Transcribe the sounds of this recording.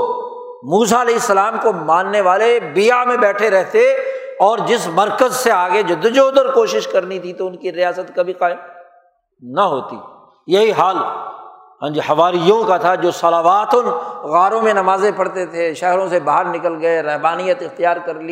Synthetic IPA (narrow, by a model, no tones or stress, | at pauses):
muːsaɐlɛːɪsːɐlaːmkomãːnːeʋaːlebɪjamẽbɛːʈʰeɾɛɦt̪eɔːɾd͡ʒɪsmɐɾkəzseaːɡed͡ʒʊd̪ːʊd͡ʒoːd̪əɾkoːʃɪʃkɐɾnit̪ʰit̪oʊnkiɾɪjaːsət̪kɐbʱiqaːɪm | nɐɦoːt̪ḭː | jɐɦiɦaːl | ɦɐ̃d͡ʒhɐʋaːɾijõkat̪ʰad͡ʒoːsɐlaːʋaːt̪ʊnɣaːɾõmẽnɐmaːzẽpɐɽt̪et̪ʰeʃɛɦɾõsebaːɦəɾnɪkəlɡɐeɾɛɦbaːnijət̪ɪxt̪ijaːɾkɐɾli